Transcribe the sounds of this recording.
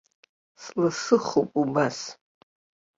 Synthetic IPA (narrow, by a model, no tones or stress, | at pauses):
slɨsɨχupʼubas